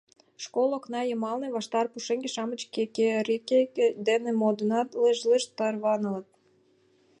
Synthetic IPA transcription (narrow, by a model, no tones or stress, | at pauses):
ʃkolˠoknɑjəmɑlnɤβɑʃt̪ɑrpuʃeŋɡeʃɑmə̆t͡ɕkekeɾʲekeked̪enĕmod̪ə̆nɑt̪leʒleʃt̪ərβɑnə̆lə̆t̪̚